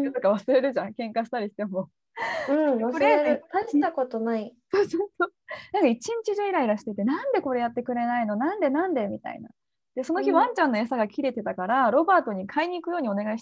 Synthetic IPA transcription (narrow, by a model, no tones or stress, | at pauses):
t̪okaβ̞asɨɾe̞ɾɯ̟ʑãŋkẽ̞ŋkaɕi̥t̪aɾʲiɕi̥t̪e̞mo̞ | ɯ̟̃ɴβasɾeɾɯk̪ait̪akot̪onaisoːsoːsoːnãŋkait͡ɕĩɲt͡ɕiʑoːiɾaiɾaɕi̥t̪et̪e̞nãnd̪e̞ko̞ɾe̞jat̪ːe̞kɯ̟ɾe̞naino̞nãnd̪e̞nãnd̪e̞mʲit̪a̰ḭna̰ | d̪̥e̞so̞nokʲiβãɲ̟t͡ɕãnːo̞esaɡakʲiɾe̞t̪e̞t̪akaɾaɾo̞baːt̪o̞ɲ̟ikʰaiɲ̟iːkɯ̟jo̞ːɲ̟io̞ne̞ɡaii̥